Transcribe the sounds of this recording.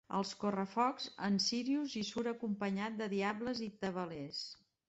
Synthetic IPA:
ə̰lˠskorəfɔkzə̰nsiɾiuzisuɾəkumpəɲat̪̚d̪əðiabləzit̪əβəlɛs

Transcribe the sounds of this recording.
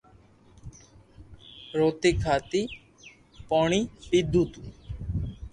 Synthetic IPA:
ɾot̪ikʰat̪i | pɔɳ̃ibid̪ʱːut̪u

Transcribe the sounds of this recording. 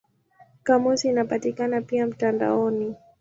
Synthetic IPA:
kamɔsiːnapatikanapiam̩tanda̰ɔni

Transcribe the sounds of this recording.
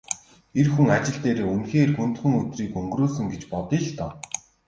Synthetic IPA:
erxuŋat͡ɕɪ̆ɮt̪eːɾeːunxeːrxunt̪xɵ̆ŋɵt̪riːkɵŋɡroːsə̆ŋɡet͡ɕpɔt̪ĭːɮt̪ɔː

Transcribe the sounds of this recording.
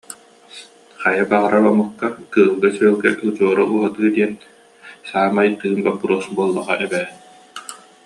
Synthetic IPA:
χajabaʁaɾʔabamɯkːakɯːlˠɡasœlɡɛ̰ʔɯd͡ʑuɔɾɔʔuɦat̪ɯːd̪iɛn | saːmajt̪ɯːmbapːuɾuɔsbuɔlˠːaʁaʔɛbɛː

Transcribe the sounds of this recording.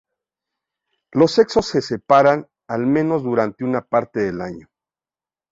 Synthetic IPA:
lo̞sːe̞kso̞sːe̞se̞paɾan | almẽ̞no̞zðuɾant̪eunapaɾt̪e̞ðe̞la̰ɲo

